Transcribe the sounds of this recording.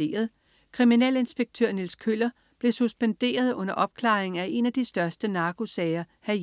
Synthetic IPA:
e̝̰ːɐðˠ | kʰʁiminɛ̰le̝nsb̥eɡ̥̚t͡sʰøɐ̰nilskʰølɐ | b̥le̝susb̥end̥e̝̰ːɐð̞ˠɔ̽n̰ɐʔɒ̽b̥̚kʰlɑ̰̈ːeŋ̩æʔe̝næd̥isd̥ɶɐsd̥ənɑ̈ːɡ̥o̝sɛːɪɐhæɐ

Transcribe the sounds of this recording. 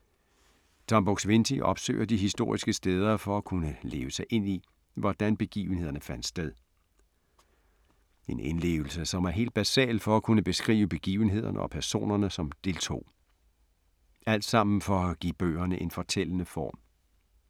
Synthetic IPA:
d̥ʰɒ̽mb̥oɡ̥sʋe̝nsʰiʔɒ̽b̥sø̰ɪ̰ɐd̥iɦisd̥o̝ɐ̰isɡ̥əsd̥eːð̞ˠɐfɒ̽ækʰunəle̝ːʊəsɑ̈ɪʔe̝n̰i | ʋɒd̥ænb̥e̝ɡ̥ḭːʊn̩e̝ð̰ˠɐnəfæn̰d̥sd̥eðˠ | e̝nʔe̝nle̝̰ːʊl̩səsɒ̽mæɐɦe̝̰ːld̚b̥æsɛ̰ːlfɒ̽ækʰunəb̥e̝sɡ̥ʁḭːʊəb̥e̝ɡ̥ḭːʊən̩ɦe̝ð̰ˠɐnʔəɒ̽pʰæɐso̝̰ːnɐnəsɒ̽md̥e̝lt͡sʰo̝̰ː | ʔæl̰d̥sɑ̈m̰n̩fɒ̽æɡ̥ib̥ø̰ːɐnəʔe̝nfɒ̽t͡sʰel̰ənəfɒ̰ːm

